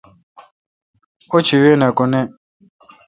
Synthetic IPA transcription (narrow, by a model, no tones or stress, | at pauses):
ot͡ʃʰiwenakʊnɛ